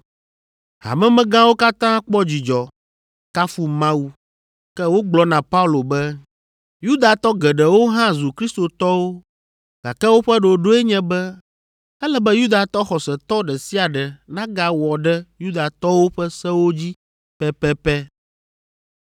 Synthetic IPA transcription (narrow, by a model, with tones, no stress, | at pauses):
ha̰˨mɛ̃˦mɛ̃˦ɡã˦wo˦ka˦t̪ã˦k͡pɔ˦d͡ʑi˨d͡ʒɔ˨ | ka˦fu˦mã˦wu˨ | kɛ˦wo˦ɡ͡blɔ˦nã˨pa˦u˦lo˨bɛ˦ | ju˦d̪a˨t̪ɔ˦ɡɛ˨ɖɛ˨wo˦ɦã˦zu˨kɾi˦st̪o˨t̪ɔ˦wo˦ | ɡ̥a̰˨kɛ˦wo˦ɸɛ˦ɖo˨ɖo˦ɛ˦ɲɛ̃˦bɛ˦ | ɛ˦lɛ˦bɛ˦ju˦d̪a˨t̪ɔ˦xɔ˨sɛ˨t̪ɔ˦ɖɛ˨si˦a˨ɖɛ˨nã˦ɡa˨wɔ˨ɖɛ˦ju˦d̪a˨t̪ɔ˦wo˦ɸɛ˦sɛ˦wo˦d͡ʑi˦ | pɛ˦pɛ˦pɛ˦